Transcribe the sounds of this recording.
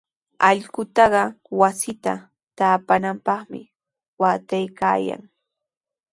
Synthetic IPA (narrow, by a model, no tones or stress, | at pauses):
ɑʎɢʊt̪ɑɢɑ | wasɪt̪a̰ | t̪aːpanampɑχmɪ̰ | waːt̪ajka̰ːja̰ŋ